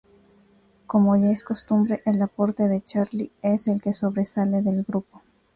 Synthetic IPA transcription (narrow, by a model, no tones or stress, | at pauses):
ko̞mo̞ʝaesko̞st̪umbɾeʔelapo̞ɾt̪e̞ðe̞t͡ʃaɾlie̞se̞lke̞so̞βɾe̞saleðe̞lɡɾupo